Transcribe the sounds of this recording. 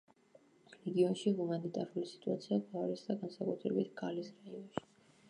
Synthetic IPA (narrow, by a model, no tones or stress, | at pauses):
ɾɛɡiɔnʃiɦumanit̪ʼaɾulisi̥t̪ʼuat̪sʰiaɡaaɾisd̪aɡansakʼut̪ʰɾɛbit̪ʰɡalisɾaiɔnʃi̥